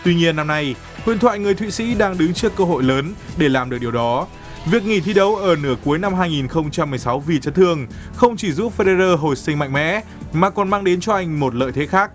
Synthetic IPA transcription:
t̪wi˧ɲi˧ənːa˧mna˧j | hwḭ˧˨ənt̪ʰwa̰ː˧˨jŋɨ˨˩əjt̪ʰwḭ˧˨sḭ˧˥ɗaː˧ŋɗɨ˨˦ŋt͡ɕɨ˦˥əkːəː˧ɦo̰˧˨jləː˨˦nɗe˧˩laː˨˩mɗɨ˨˩k̚ɗi˨˩əwɗɔ˨˦ | vi˨˩ək̚ŋi˧˩t̪ʰi˧ɗə˨˦wʔəː˧˩nɨ˧˩əku˨˦əjna˧mɦaː˧jŋi˨˩nxə˧wŋ͡mt͡ɕa˧mːɨ˨˩əjsa˨˦wvi˨˩t͡ɕə˨˦t̪ʰɨ˧əŋ | xə˧wŋ͡mt͡ɕi˧˩zu˦˥p̚fe˧ɗe˧zəː˧ɦo˨˩jsï˧ŋ̟ma̰˧˨jŋ̟mɛ̰˧˥ | maː˨˩kɔ˨˩nmaː˧ŋɗe˨˦nt͡ɕɔ˧ʔa˧jŋ̟mo˨˩t̚lə̰ː˧˨jt̪ʰe˨˦xaː˦˥k̚

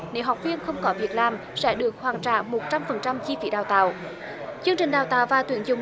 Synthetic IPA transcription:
ne˨˦wɦa˨˩wk͡p̚vi˧ənxə˧wŋ͡mkɔ˨˦vi˨˩ət̚laː˨˩m | sɛ̰˧˥ɗɨ˨˩ək̚hwaː˨˩ŋt͡ɕa̰ː˧˨mo˨˩t̚t͡ɕa˧mfə˨˩nt͡ɕa˧mt͡ɕi˧fi˨˦ɗaː˨˩wt̪a̰ː˧˨w | t͡ɕɨ˧əŋt͡ɕï̟˨˩ɗaː˨˩wt̪a̰ː˧˨wvaː˨˩t̪wi˨˩ənzʊ˨˩ŋ͡m

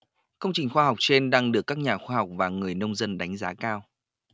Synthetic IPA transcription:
kə˧wŋ͡mt͡ɕï˨˩ŋ̟xwaː˧ɦa˨˩wk͡p̚t͡ɕe˧nɗaː˧ŋɗɨ˨˩əkːaː˦˥k̚ɲaː˨˩xwaː˧ha˨˩wk͡p̚vaː˨˩ŋɨ˨˩əjnə˧wŋ͡mzə˧nɗa˨˦jŋ̟zaː˨˦kaː˧w

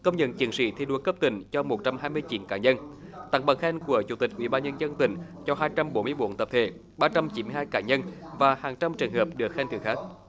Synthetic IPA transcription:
kə˧wŋ͡mɲə̰˧˨nt͡ɕi˨˩˦ənsḭ˧˦t̪ʰi˧ɗu˧˩kə˦˥p̚t̪ï˧˩ŋ̟t͡ɕɔ˧mo˨˩t̚t͡ɕa˧mhaː˧jmɨ˧əjt͡ɕi˨˦nkaː˧˩ɲə˧nt̪a̰˧˩˦ŋɓə̰˧˩ŋxɛː˧nku˧˩ət͡ɕu˧˩t̪ï˨˩k̟̚ʔwḭ˧˩ɓaː˧nɲə˧nzə˧nt̪ï˧˩˦ŋ̟t͡ɕɔ˧ɦaː˧jt͡ɕa˧mɓo˨˦nmɨ˧əjɓo˧˦nt̪ə˨˩p̚t̪ʰḛ˧˨˩ | ɓaː˧t͡ɕa˧mt͡ɕi˧˨˦nmɨ˧jhaː˧jkaː˧˩ɲə˧nvaː˨˩haː˨˩ŋt͡ɕa˧mt͡ɕɨ˨˩əŋhəː˨˩p̚ɗɨ˨˩ək̚xɛ˧nt̪ɨ̰˨˧˩ŋxaː˦˥k̚

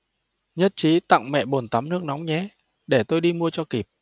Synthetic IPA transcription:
ɲə˦˥t̚t͡ɕi˨˦t̪a̰˧˨ŋmɛ̰˧˨ɓo˨˩nt̪a˨˦mnɨ˦˥ək̚nɔ˨˦wŋ͡mɲɛ˨˦ | ɗe˧˩t̪o˧jɗi˧mu˧ət͡ɕɔ˧ki˨˩p̚

